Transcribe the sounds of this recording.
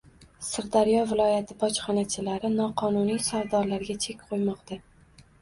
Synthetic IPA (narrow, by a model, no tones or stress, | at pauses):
sɪɾd̪aɾjɒvɪlˠɒjat̪ʰɪbɒt͡ʃχɒnat͡ʃʰɪlaɾɪnɒqʰɒnunijsaɾd̪ɒɾlaɾɡʲat͡ʃʰe̞kʲqʰojmɒqt̪a